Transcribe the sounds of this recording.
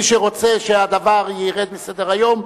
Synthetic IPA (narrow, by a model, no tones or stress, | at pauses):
iʃeʁo̞t͡seʃead̪avaʁjiʁed̪mised̪eʁajo̞m